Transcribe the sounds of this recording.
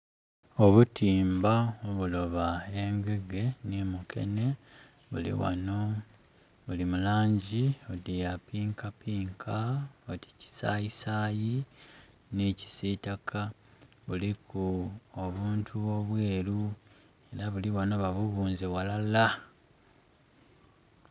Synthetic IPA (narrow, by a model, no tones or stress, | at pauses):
o̞βutiːmbaoβulo̞βaeːŋɡe̞ɡe̞nemukʰe̞̰ne̞ | βṵlḭwa̰no | βulimulaːɲɟiodijapiːŋkapiːŋkʰaoti̥ci̥saːjisaːji | neci̥sitakʰa | βulikʰuoβuːntʰuoβwe̞ːɾu | e̞ɾaβuliwano̞βaβuβuːnzewalala